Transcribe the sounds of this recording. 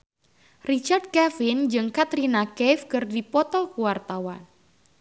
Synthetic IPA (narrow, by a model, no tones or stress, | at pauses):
rit͡ʃard̪̚kɛfɪnd͡ʒɨŋkat̪ɾinakɛfkɨrdipɔt̪ɔkuwart̪awan